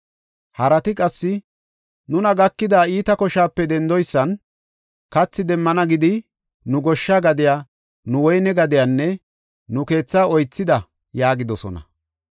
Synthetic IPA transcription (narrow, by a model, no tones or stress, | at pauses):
hɐɾɐt̪ɪkʼɐsːɪ | nʊnɐɡɐkːɪd̪aːiːt̪ɐkɔʃaːpːɛd̪ɛnd̪ɔjsːɐn | kɐt͡sːɪd̪ɛmːɐnɐɡɪd̪ɪ | nʊɡɔʃːaːɡɐd̪ɪjaː | nʊwɔjnɛɡɐd̪ɪjaːnːɛ | nʊke̞ːt͡sːaːɔjt͡sːɪd̪ɐ | jaːɡɪd̪ɔsɔ̰nɐ̰